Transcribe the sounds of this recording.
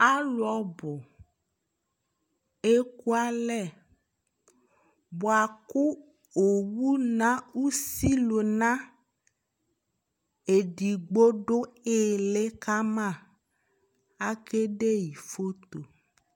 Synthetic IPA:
a˦lu˨˦ɔ˦bo˨ | e˦ku˦a˦lɛ˦˨ | bo˨a˨ku˦ | o˨wu˦nã˦u˦si˦lo˨nã˦ | e˨ɖi˨ɡ͡bo˦ɖo˦e˦le˦ka˦mã˦˨ | a˦ke˦ɖe˦ji˨fo˦t̪o˨

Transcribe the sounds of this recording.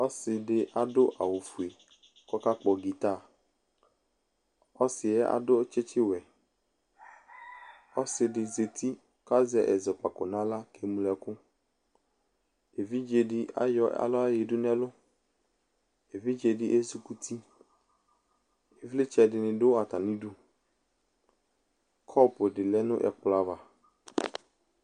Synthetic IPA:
ɔ˦sɪ˨dɪ˨ʔa˨dʊ˦ʔa̰˨wo˨fu˨e˨ | kɔ˦ka˦k͡pɔ˨ɡi˨t̪a˦˨ | ɔ˦sɪ˨ɛ˦a̰˨dʊ˦t͡ʃɪ˦t͡ʃɪ˦wɛ˨ | ɔ˦sɪ˨dɪ˨ze˨t̪ʰi˦ | ka˦zɛ˨ʔɛ̰˨zɛ˨k͡pa˨kʊ˨nã˦la˦kʰe˨mũ˨lɛ˨kʊ˦ | e˨vi˦d͡ʒe˨dɪ˦ʔa̰˦jɔ˦a̰˨lɔ˦a˦je˨dʊ˦n˦ɛ˦lʊ˦ | e˨vi˦d͡ʒe˨dɪ˦ʔe˦su˨ku˦t̪ʰi˦ | e˨vlɪ˦t͡ʃɛ˨dɪ˨nɪ̃˨dʊ˦a˨t̪a˨nĩ˦du˦ | kʰɔ˦pʊ˨dɪ˨lɛ˦nʊ̰̃˦ʔɛ̰˨k͡pla˨va˨

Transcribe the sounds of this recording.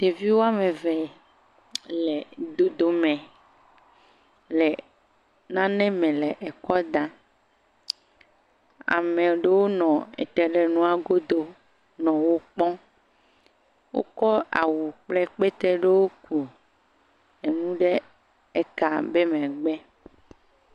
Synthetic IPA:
t̪e˨vi˦wo˦a˦mẽ˨vɛ˨ | le˨d̪o˨d̪o˨mɛ̃˨ | lɛ˨ | nã˦nɛ̃˦mɛ̃˨lɛ˨ʔɛ˨kɔ˦d̪ã˦ | a̰˨mẽ˨ɖe˦wo˦nɔ̃˨ḛ˨t̪ɛ˨ɖe˨nũ˦a˨ɡo˦d̪o˦ | nɔ̃˨wo˦k͡pɔ̃˦ | wʔo̰˦kɔ˦a̰˨wu˨k͡plɛ˦k͡pe˦t̪ɾɛ˦ɖe˦wo˦ku˨ | e˨nũ˦ɖe˦ | ɛ˦ka˨be˦mɛ̃˨ɡ͡bɛ˦

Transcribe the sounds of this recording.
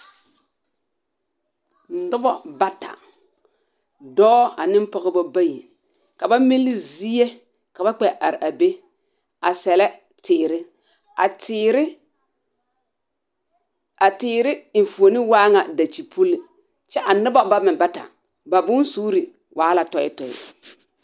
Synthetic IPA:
nʊ˦bɔ˦ba˦ta̰˨ | dɔː˦a˨nɪ˦m˦pɔ˦ɣɪ˦bɔ˦ba˦ji˨ | ka˨ba˦mi˦lːɪ˦zi˦e˦ | ka˨ba˦k͡pɛ˨ʔa̰˨ɾɪ˨ʔa˨be˦ | a˨sɛ˨lɛ˦ | tɪː˨ɾɪ˦ | a˨tɪ˦ɾɪ˦ | a˨tɪː˨ɾɪ˦ɪ˨nfu˨o˨nɪ˦waː˦ŋa˨da˨t͡ʃi˨pʰu˦li˨ | t͡ʃɛ˦ʔa˨nʊ˦bɔ˦ba˦mɪ˨ba˦ta̰˨ | ba˨bʊ˦n˦suː˦ɾi˨ | wʔaː˨˦la˨tɔ˨ɪ̰˦tɔ˨ɪ̰˦

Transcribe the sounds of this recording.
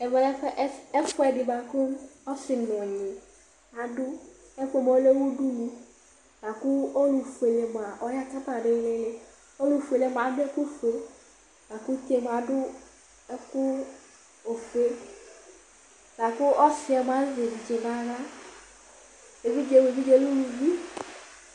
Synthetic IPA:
ɛ˨vɛ˦fɛ˨dɪ˨ba˨kʊ˦ɔ˦sɪ˨n˨m˨ɔ˨ɲɪ̃˨ | a˨dʊ˦ | ɛ˦fe˦m˨o˦le˦wu˦du˦lu˦ | la˨kʊ˦o˦lu˨fu˨e˨le˨m˨a˨ʔɔ˦ja˦ka˦ta˨ɖɪ˦lɪ˦lɪ˦ | o˦lu˨fu˨e˨le˨˦m˨a˨˦dʊ˦ɛ˦ku˦fu˨e˨ | la˨ku˦te˦m˨a˨dʊ˦ | ɛ˦kʊ˦ | o˨fu˨e˦ | la˨kʊ˦ɔ˦sɪ˨˦ɛ˨m˨a˨˦zɪ˨n˨d͡ʒe˨ba˦ɾa˦ | e˨vi˦d͡ʒe˨˦we˨vi˦d͡ʒe˦lu˦wu˨vi˦

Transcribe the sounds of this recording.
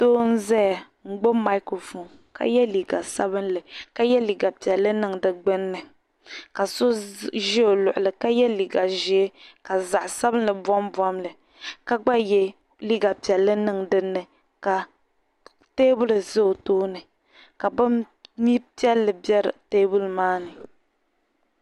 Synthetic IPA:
toː˦n̩˦zɛ˦ja˨ | ŋ͡m̩˨ɡ͡bo˦ma˦i˦ko˨fu˨ŋ | ka̰˨jɛ˦li˨ɡa˨sa̰˦bɨ˦nlɨ˨ka˦jɛ˦li˨ɡa˨pɛ˨lːɨ˦nɨ˦ŋdɨ˨ɡ͡bɨ˦nːɨ˨ | ka˨so˦ʒi˦o˨lʊ˨ʔʊ˨lɨ˨ka˦jɛ˦li˨ɡa˨ʒi˦ka˨za˨ʔsa˦bɨ˦n˦lɨ˨bɔ˦mbɔ˦mlɨ˨ | ka˦ɡ͡ba˦jɛ˦ | li˦ɡa˨pɛ˨lːɨ˦nɨ˦ŋdɨ˦nːɨ˨ | ka˨ | teː˦bʊ˦lɨ˨zɨ˦o˨toː˦nɨ˨ | ka˨bɨ˦m | mi˦pi˦ɛ˦lːɨ˨bɛ˦ɾɨ˨teː˦bu˦lmaː˦nɨ˨

